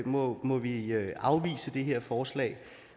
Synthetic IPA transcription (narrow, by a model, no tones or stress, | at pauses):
mɒmɒ̽ʋiʔɑ̈ʊʋḭːsəd̥e̝ɦeɐ̰fɒːslɛ̰ːɪ